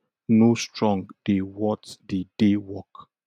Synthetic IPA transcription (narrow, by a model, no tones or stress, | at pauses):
nostɹɔ̃ŋɡd̥ewɔtdedewɔk